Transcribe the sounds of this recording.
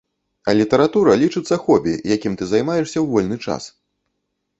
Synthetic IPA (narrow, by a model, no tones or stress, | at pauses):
ɐlʲit̪ɐɾat̪uɾɐlʲit͡ʂɨt̪sːɐxɔbʲḭjakʲimt̪ɨzajmajɛʂsʲɐwvɔlʲnɨt͡ʂa̰s